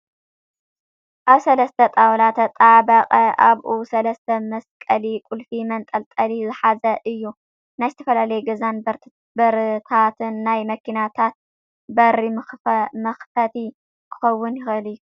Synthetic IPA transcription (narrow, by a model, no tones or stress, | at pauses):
ʔaβsɐlɐst̪ʰɐt̪ʼawlat̪ʰɐt̪ʼaʕbɐqʼɐʔaβʔusɐlɐst̪ʰɐmɐskʼɐlikʼulfimɐnt̪ʼɐlt̪ʼɐlizɨħazɐʔɨjːu | najzɨt̪ʰɐfɐlalɐjɡɐzan | bɐɾt̪ʰat̪ʰɨnːajmɐkinat̪ʰat̪̚ | bɐɾimɐxfɐt̪ʰi | kʰɨ̥xɐwːʊnjɪxɨlɨjːu